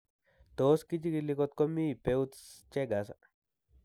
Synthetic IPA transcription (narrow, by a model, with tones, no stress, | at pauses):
t̪o˨˦ski˦t͡ʃi˦ɡi˧li˧ko˧t̪̚ko˦mĩ˦˨pe˧wt͡st͡ʃe˦ɡa˨˦s̬a˧